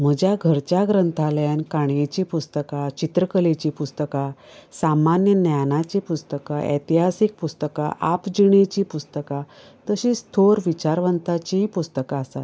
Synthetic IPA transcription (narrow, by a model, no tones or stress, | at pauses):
m̤əd͡ʑjaɡʱəɾt͡ɕjaɡɾənt̪ʰaljankaɳjet͡ɕiːpust̪əkat͡ɕit̪ɾəkəlet͡ɕiːpust̪əka | samanjənjanat͡ɕipust̪əkaʔḛt̪iɦasik̚pust̪əkaʔapd͡ʑiɽ̃et͡ɕiːpust̪əka | t̪əɕiːst̪ʰoɾʋit͡ɕaɾʋənt̪at͡ɕipust̪əkaəsat̪